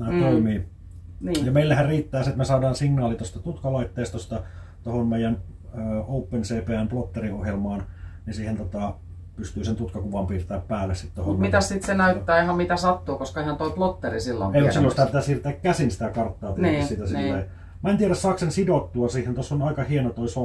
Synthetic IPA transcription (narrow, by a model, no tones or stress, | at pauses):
næːt̪oimiː | niːjɑmeilːehærriːt̪ːæːseet̪mesɑːdɑːnsiŋnɑːlit̪ost̪ɑt̪ut̪kɑlɑit̪ːeːst̪ɑost̪ɑt̪ohonmeijæn | øːoupːenseːpeːæmplot̪ːeriohjelmɑːnnisiːhent̪ot̪ɑ | pyst̪yːsent̪ut̪kɑkuʋɑmpiːrt̪æːppæːlːessit̪t̪ohoutnmit̪æssit̪senæyt̪ːæːehɑmmit̪æsɑt̪ːuːkoskɑihɑnt̪oiplot̪ːerisilːo̰meimmusilːonsit̪æpit̪æssiːrt̪ˑæːkkæsinsi̥t̪ækɑrt̪ːɑːpinːisit̪æsilːei | mæˑent̪ieɾæssɑksensidot̪ːuɑsiːhent̪osːonɑikɑhienot̪oiso